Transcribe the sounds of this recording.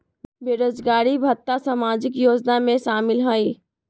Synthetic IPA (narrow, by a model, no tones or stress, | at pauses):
beːɾoːd͡ʒɡaːɾibʱət̪ːasamaːd͡ʒɪkjoːd͡ʒnamẽʃaːmɪlɦoːiː